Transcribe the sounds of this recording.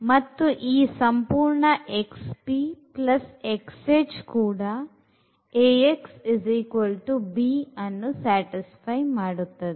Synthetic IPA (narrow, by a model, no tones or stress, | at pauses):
mɐt̪ːuʔiːsɐmpuːɾɳɐʔekspiːplɐsekseːd͡ʒkuːɽaː | eːeksiziːkʋɐlʈubiːɐnːusaːʈispʰɐjmaːɽut̪ːɐd̪i